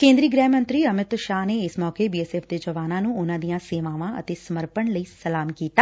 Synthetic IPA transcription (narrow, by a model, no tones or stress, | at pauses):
kẽːnd̪ɾiːɡɾɛːmə̃nt̪ɾiːəmɪt̪ʃaːneːɪsmɔːkeːbiːɛːsɛːfd̪eːd͡ʒəʋaːnãːnũːʊnãːd̪ijãːseːʋaːʋãːʔə̰t̪eːsəməɾpəɳləiːsəlaːmkiːt̪aː